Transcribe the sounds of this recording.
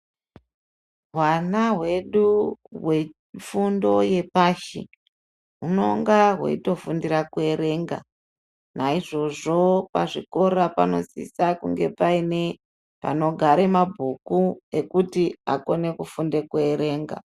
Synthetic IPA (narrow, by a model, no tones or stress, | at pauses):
ɦwanaɦwe̞ɗuwe̞ | fundo̞je̞paʃḭ | ɦuno̞ŋɡaɦwḛito̞fundiɾakue̞ɾe̞ŋɡa̰ | naiʐo̞ʐo̞paʐiko̞ɾapano̞̰sḭsakuŋɡe̞paine | pa̰no̞ɡʱaɾemabʱukue̞kutia̰ko̞ne̞kufundekue̞ɾe̞ːŋɡa̰